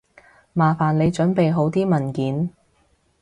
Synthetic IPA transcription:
maː˨faː˨˩nle˨˧jt͡ʃɵ˨˥npe˨jɦo˨˥wt̪iː˥mɐ˨˩nkiː˨˥n

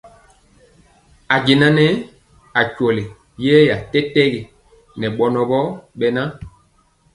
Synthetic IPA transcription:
a˨ɟe˨na˦nɛ˦ | a˨cɔ˨le˨ | jɛ˦ja˨tɛ˦tɛ˦ɡe˨ | nɛ˨ɓɔ˨nɔ˨ɓɔ˦ɓɛ˨na˦

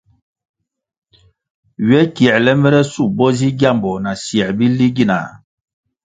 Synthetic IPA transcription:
ɥɛ˦ki˨ɛ˨lɛ˦mɛ˦ɾɛ˦su˦˨bɔ˦zi˦ɡja˦˨mbɔ˨na˨sjɛ˨bi˦li˦ɡi˦na̰˨

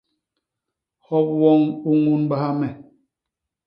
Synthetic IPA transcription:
hɔ˦p̚wɔ˦ŋu˦ŋu˦nba˦ha˦mɛ˨

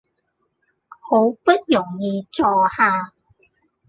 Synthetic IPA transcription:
ho˨˧˥wpɐ˥t̚jʊ˨˩ŋjiː˨˧t͡sɔː˨haː˧

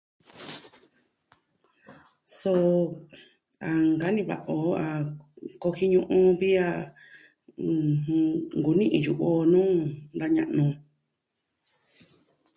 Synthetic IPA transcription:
so˧˦ | a˨ŋɡa˨˦nĩ˧βa̰˨ʔo˨a˨ko˧hi˦ɲũ˦˧ʔũ˧βi˦a˦˧ | ŋɡu˨nĩ˦ʔĩ˨ju˨ʔo˧nũː˦nd̪a˧ɲã̰˧ʔnũ˧

